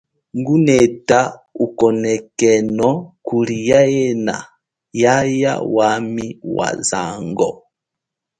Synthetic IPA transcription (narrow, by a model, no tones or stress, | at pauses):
ŋɡunɛtaukɔnɛkɛnɔkulijajɛna̰ | jaja̰wamiwa̰za̰ŋɡɔ